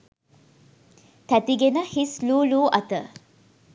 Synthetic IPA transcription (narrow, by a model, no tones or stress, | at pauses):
t̪æt̪iɡenəhisluːluːʔɐt̪ə